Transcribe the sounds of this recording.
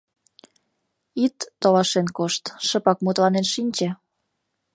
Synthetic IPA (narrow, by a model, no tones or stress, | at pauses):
it̪ːolɑʃenkoʃt̪ʃəpɑkmut̪lɑnenʃinʲt͡ɕe